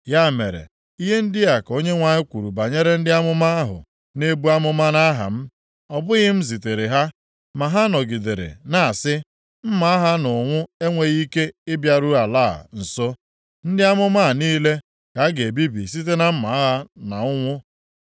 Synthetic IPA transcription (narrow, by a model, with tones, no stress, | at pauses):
ja˦˨me˨ɾḛ˨ | i˦ɦe˦n̩˦dɪ˦a˨ko˦ɲe˦ŋʷa˨ɲɪ˦kʷu˨ɾu˨ba˨ɲe˦ɾe˦n̩˦dɪ˦a˦mʊ˦ma˦a˦ɦʊ̰˨ | ne˦bu˦a˦mʊ˦ma˦na˦ɦa̰˨m̩˦ | ɔ˨bʊ˦ɣɪ˦m̩˦zi˨te˨ɾe˨ɦa˦ | ma˨ɦa˦nɔ˨ɡi˨de˨ɾḛ˨na˨a˨sɪ˦ | m̩˦ma˨a˦ɦa˦nʊ˨ŋʷʊ˦e˦ŋʷe˨ɣi˦ke˦ɪ˦bja˨ɾu˦a˨la̰ː˦˨n̩˨so˦ | n̩˦dɪ˦a˦mʊ˦ma˦˨niː˦le˦ | ka˨˦ɡe˨bi˦bḭ˨s̬i˦t̬e˦na˦m̩˦ma˨a˦ɦa˦na˨ʊ˦ŋʷʊ˦